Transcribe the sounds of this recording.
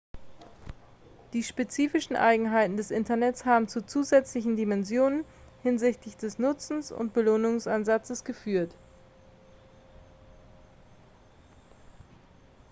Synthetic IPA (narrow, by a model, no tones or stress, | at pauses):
d̥iːʃpet͡siːfɪʃn̩ʔa̰ɪɡŋ̩ɦaɪtn̩dɛsʔɪntɐnɛt͡shaːbm̩t͡sut͡suːzɛt͡slɪçn̩dimɛnzjoːnən | hɪnzɪçtlɪçd̥ɛsnʊt͡sn̩sʊ̰ntb̥əloːnʊŋsʔanzat͡səsɡ̥əfyːɐt